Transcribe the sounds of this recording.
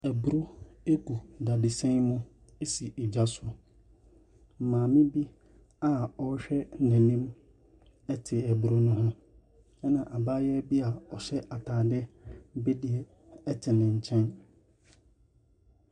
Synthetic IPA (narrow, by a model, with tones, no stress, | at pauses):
ɛ˨bu˨ɾo˦e˦kʰu˨da˨dɪ˨sɛ̃˦ŋmʊ̃˦ | e˦si˨ʔe˨d͡ʑa˦sʊ˦ | m̩˨mãː˨mɪ̃˦bi˦ | a˨ɔ˦ɕᶣɛ˦nɛ̃˨nĩ˦m | ɛ˦tʰɪ˨ɛ˨bu˨ɾo˦nʊ̃˦ɦã˦ | ɛ˦nã˨ʔa˨baː˦jɛ˦bi˦a˨ɔ˨ɕɛ˦ʔa˨tʰaː˨dɪ˦bɛ˦di˦ɛ˨ | ɛ˦tʰɪ˨nɪ̃˨ɲ̩˨t͡ɕʰɛ̃˦n